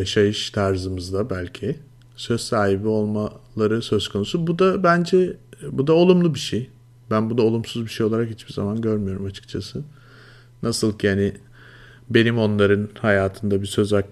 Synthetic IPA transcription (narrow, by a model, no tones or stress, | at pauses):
jaʃajɯʃt̪ʰaɾzɯmɯzd̪abælʲcʰɪ | sø̞zsaːɦibio̞lˠmalˠaɾɯsø̞zkʰo̞nusubud̪abænd͡ʒɛbud̪ao̞lˠumlˠubiʃej | bænbud̪ao̞lˠumsuzbiʃejo̞lˠaɾakhit͡ʃbiza̰manɟø̞ɾmyjo̞ɾumat͡ʃʰɯ̥k̚t͡ʃʰasɯ | nʔasɯlˠcʰianɪ | be̞nimo̞nlˠaɾɯnhajaːt̪ʰɯnd̪abisø̞zak